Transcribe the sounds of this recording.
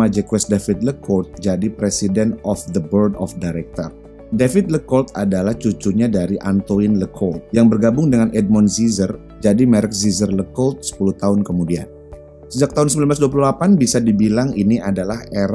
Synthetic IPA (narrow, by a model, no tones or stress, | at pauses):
ad͡ʒɛkwɛsdafɪt̪̚ləkʰɔlt̪̚d͡ʒadipɾesidɛnɔfd̪əbərdɔfdajɾɛk̚t̪ɔ̰r | defɪt̪̚ləkɔlt̪adalaht͡ʃut͡ʃuɲadaɾiʔant̪oinləkʰɔlt̪̚jaŋbərɡabʊŋdəŋanɛd̚mɔnzizər | d͡ʒadimɛɾɛk̚zizərləkɔlt̪̚sə̥puluht̪aʊnkəmudia̰n | səd͡ʒak̚t̪aɦʊnsəmilanblas̬duap̬uluhlapanbisadibilaŋiniadalaheɾ